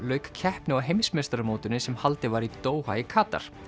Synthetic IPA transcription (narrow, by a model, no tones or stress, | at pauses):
lœːɥkcʰɛhpnɪaɦejmsmest̪aɾamoːwt̪ʏnːɪsɛmhalt̪ɪvaɾit̪oːwhaɪkʰaːt̪a̰ɾ̥